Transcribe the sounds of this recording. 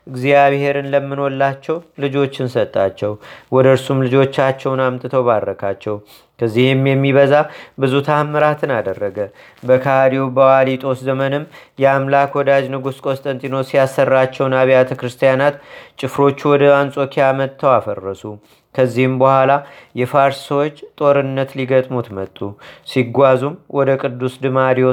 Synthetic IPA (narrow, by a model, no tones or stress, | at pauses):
ʔɨɡzijaβhe̞ɾɨnləmːɨnolːat͡ʃːɛwlɨd͡ʒo̞t͡ʃːɪnsət̪ʼːat͡ʃːɛwwɔd̪əɾsumlɨd͡ʒo̞t͡ʃːat͡ʃːɛwnamt̪ʼɨt̪ʰəwβad̪ːəkʰat͡ʃːɛw | kʰəzːihjɨmjɛmːiβəzabɨzut̪ʰamːəɾat̪ʰɨnad̪ərːəɡə | bəkʰaad̪iwbəwalit̪ʼo̞szəmənɨmjɛamlakwɔd̪ad͡ʒnɨɡuskʼo̞st̪ʼənt̪ʼinosijasːərːat͡ʃːɛwnaβijat̪ʰəkɾɨst̪ʰijanat̪t͡ʃʼɪfɾo̞t͡ʃːuwɔd̪əansʼokʰijamət̪ʰːəwafərːəsu | kʰəzːihɨmbəhʷwʷalajɛfaɾssəwo̞t͡ʃːt̪ʼo̞ɾɨnːət̪liɡət̪ʼmut̪mət̪ʼːusiɡʷazumwɔd̪əkʼɨd̪ːusd̪ɨmad̪iwo